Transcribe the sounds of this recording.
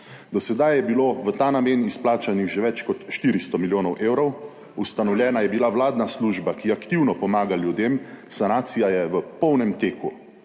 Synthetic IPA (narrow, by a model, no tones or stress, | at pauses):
d̪ɔsɛd̪ajɛbiloːʋət̪aːnamenisplaːt͡ʃanixʒeʋɛt͡ʃkɔt̪ʃt̪iːɾist̪ɔmiljoːnɔwʔeːwɾɔw | ust̪anɔwljɛːnajɛbilawlaːd̪nasluʒbakiakt̪iwnɔpɔmaːɡaljud̪emsanaːt̪sijajɛʋəpɔwnɛmt̪eːku